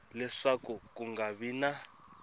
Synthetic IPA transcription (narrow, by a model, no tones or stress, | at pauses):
lɛʂakukʼuŋɡaβina